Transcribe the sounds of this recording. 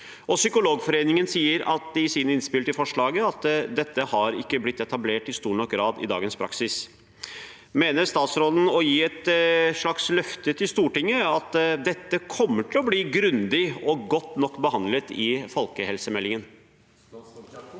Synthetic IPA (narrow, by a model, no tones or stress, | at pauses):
ɔsʏkʊloːɡfɔɾeːnɪŋənsiːəɾʔɑ̰t̪̚d̪ɪsiːnəɪnspɪlt̪ɪfɔʂɭɑːɡəɑt̪d̪ɛt̪ːəhɑɾɪkːəblɪt̪ːɛt̪ɑbleːʈɪst̪uːɳɔkɡɾɑːd̪ɪ̰d̪ɑ̰ːɡənspʰɾɑ̰ksɪs | meːnəɾst̪ɑːt̪sɾɔln̩ɔjiːɛt̪ʂɭɑkslœft̪ət̪ʰɪlst̪uːʈɪŋːəɑt̪d̪ɛt̪ːəkʰɔmːəʈʰɪlɔbliːɡɾʉnd̪ɪɔɡɔt̪ːnɔkːbəhɑnd̪lət̪ɪfɔlkəhɛlsəmɛlːɪŋən